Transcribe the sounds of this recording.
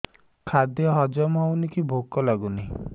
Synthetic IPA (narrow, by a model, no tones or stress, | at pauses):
kʰad̪jɔɦɔd͡ʒɔmɔwnikibʱokɔlaɡuni